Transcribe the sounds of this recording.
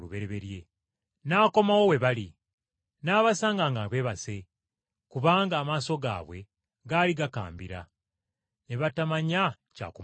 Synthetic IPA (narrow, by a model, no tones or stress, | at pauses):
uβe̞ɾeβe̞ɾje̞ | naːko̞mawo̞we̞βali | naːβasaːŋɡaːŋɡaβe̞ːβase̞ | kuβaːŋɡaːmaːso̞ɡa̰ːβwe̞̰ | ɡaːliɡaka̰ːmbiɾa̰ | ne̞βatamaɲa | ca̰ːkum